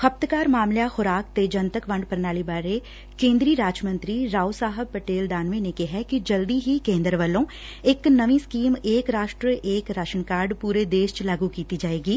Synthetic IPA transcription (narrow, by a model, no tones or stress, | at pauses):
xəp̚t̪kaːɾmaːmljaxʊɾaːk̚t̪ed͡ʒɐnt̪əkʋɐ̃ɳɖpəɾnaːlibaːɾe | kẽːnd̪ɾiɾaːd͡ʒmə̃nt̪ɾiɾaːusaːɦəb̚pəʈeːld̪aːnʋẽnekeɦɛkid͡ʒɐld̪iɦikẽːnd̪ɾəʋəlõ | ɪknɐʋĩskiːmeːkɾaːʃʈɾəʔeːkɾaʃənkaːɾɖpuːɾed̪eːʃt͡ʃlaːɡukiːt̪id͡ʒaːeːɡiː